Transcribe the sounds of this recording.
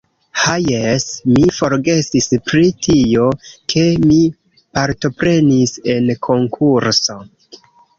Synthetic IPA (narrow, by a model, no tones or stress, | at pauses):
hajesmifo̞ɾɡe̞sispɾitʰio̞kʰe̞mi | paɾto̞pɾe̞nise̞nkʰo̞ŋkʰuɾso̞